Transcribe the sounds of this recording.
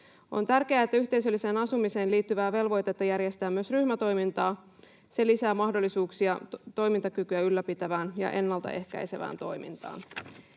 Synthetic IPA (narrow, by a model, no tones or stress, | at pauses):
o̞̰nt̪ærke̞æːet̪ːæyçt̪e̞js̬ø̞lːise̞ːnɑsumise̞ːnliːt̪ːyʋæːʋe̞lʋo̞jt̪ɑt̪ːæjærje̞st̪æːmyø̞sryhmæt̪o̞jmint̪ɑː | se̞lisæːmɑhdo̞lːisuːksiɑt̪o̞jmint̪ɑkykyæylːæpit̪æʋæːnjɑ̰ʔe̞nːɑlt̪ɑ̰ʔe̞hkæ̰jse̞ʋæ̰ːnt̪o̞jmḭnt̪ɑ̰ːn